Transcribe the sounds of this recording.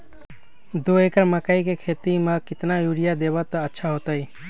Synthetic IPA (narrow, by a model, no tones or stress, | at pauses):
d̪oekəɾməkaikekʰet̪imãkɪt̪najuɽijad̪ebat̪ɔətːʃʰaɦot̪ai